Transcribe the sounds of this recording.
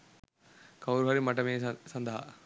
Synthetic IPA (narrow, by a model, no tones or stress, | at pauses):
kɐwɾuɦɐːɾimɐʈːɐmeːsɐnd̪ʱɐɦɐ̰